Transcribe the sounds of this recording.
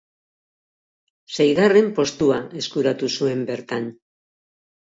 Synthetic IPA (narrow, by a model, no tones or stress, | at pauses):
sejðare̞mpo̞st̪uae̞skuɾat̪usue̞mbe̞ɾt̪an